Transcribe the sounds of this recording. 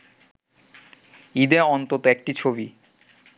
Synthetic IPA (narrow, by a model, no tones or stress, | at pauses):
id̪eɔnt̪ot̪oek̚ʈit͡ɕʰobi